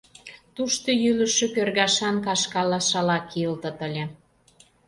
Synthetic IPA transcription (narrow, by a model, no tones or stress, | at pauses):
t̪uʃt̪ojylə̆ʃøkørɣɑʃɑnkɑʃkɑlɑʃɑlɑkiəlt̪ə̆t̪əlʲĕ